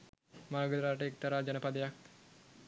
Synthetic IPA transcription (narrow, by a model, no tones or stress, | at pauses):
maɾɡəd̪ɾaːʈəek̚t̪aɾaːd͡ʒanəpad̪əjak̚